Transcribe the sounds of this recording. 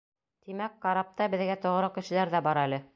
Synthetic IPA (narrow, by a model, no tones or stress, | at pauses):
t̪imækːɑɾɑp̚t̪ɑbɘ̆ðɡæt̪ŏʁɾɤkɘ̆ʃɘ̆læɾðæbɑɾælɘ